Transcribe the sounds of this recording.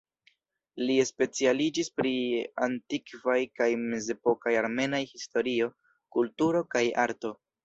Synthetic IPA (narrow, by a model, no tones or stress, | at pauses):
lie̞spe̞t͡sialid͡ʒispɾia̰ntikvajkajme̞ze̞po̞kajaɾme̞najhisto̞ɾio̞ | kultuɾo̞kajaɾto̞